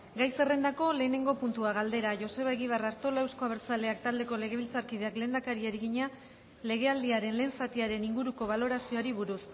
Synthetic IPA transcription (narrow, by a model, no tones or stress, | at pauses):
ɡajse̞re̞nd̪ako̞le̞ːne̞ŋɡo̞punt̪uaɣald̪e̞ɾaʝo̞se̞βaeɣiβ̞araɾt̪o̞laewsko̞aβeɾt͡sale̞ak̚t̪ald̪e̞ko̞le̞ɣ̞e̞βilt͡saɾkið̞e̞akle̞ːnd̪akaɾiaɾiɣiɲa | le̞ɣ̞e̞ald̪iaɾe̞nle̞ːnsat̪iaɾe̞niŋɡuɾuko̞β̞alo̞ɾasio̞aɾiβuɾus